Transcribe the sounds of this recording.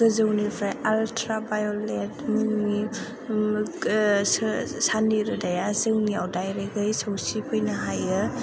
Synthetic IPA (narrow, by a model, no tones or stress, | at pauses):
ɡɯzɯwnipʰɾajaltʰɾabajoletmuŋi | saniɾɯdajazɯŋniawdajɾeɡɯjsɯwsipʰɯjnaɦajɯ